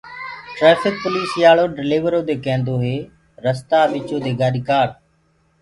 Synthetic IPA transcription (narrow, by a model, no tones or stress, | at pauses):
ʈɾeːfɪk̚pʊliːsjaːɭoːɖɪliːʋəɾoːd̪eːkɛ̃ːnd̪oːɦeː | ɾəst̪aːɓɪt͡ʃoːd̪eːɡaːɾkaːɾ